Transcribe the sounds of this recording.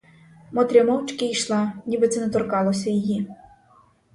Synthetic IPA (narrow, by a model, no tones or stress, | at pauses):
mɔt̪ɾʲɐmɔwt͡ʃkɪjʃlˠɑnʲibɪt̪sɛnɛt̪ɔrkɑlˠɔsʲɐjiji